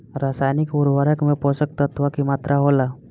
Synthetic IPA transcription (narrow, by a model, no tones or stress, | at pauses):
ɾasajnikuɾʋaɾəkmẽposək̚t̪ət̪ʰʋakimat̪ɾʔaɦola